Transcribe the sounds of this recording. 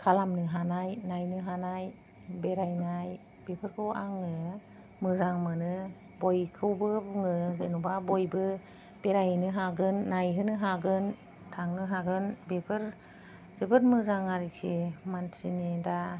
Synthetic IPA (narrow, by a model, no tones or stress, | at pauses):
kʰalamnɯɦanajnajnɯɦanaj | beɾajnaj | b̥epʰɯɾkʰɯwa̰ŋɯ | mɯzaŋmɯnɯ | bojkʰɯwbɯŋɯzenubabojbɯ | b̥eɾajnɯɦaɡɯnːajɦɯnɯɦaɡɯn | tʰaŋnɯɦaɡɯnbepʰɯɾ | zɯbɯt̚mɯzaŋaɾikʰemantʰinida